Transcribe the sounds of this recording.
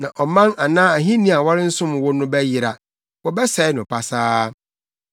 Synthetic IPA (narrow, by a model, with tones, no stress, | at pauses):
nã˨ʔɔ˨mã˦na˨nãː˦a˨ɦĩ˦nĩ˦a˨wɔ˦ɾɪ˦n̩˦sʊ̃˦m˨wʊ˦nʊ̃˦bɛ˦jɪ˨ɾa˨ | wɔ˦bɛ˦sɛ˨ɪ˦nʊ̃˨pʰa˨saː˦